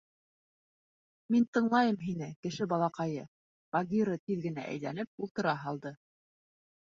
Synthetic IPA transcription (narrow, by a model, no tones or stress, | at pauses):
mint̪ɤ̆ɴlˠɑjɤmɦinɘkɘ̆ʃɘbɑlˠɑqɑjɤ | bɑɡʲiɾɤt̪iðɡɘ̆næ̰ʔæ̰jlænɘp̚ulˠt̪ɤ̆ɾɑɦɑlˠd̪ɤ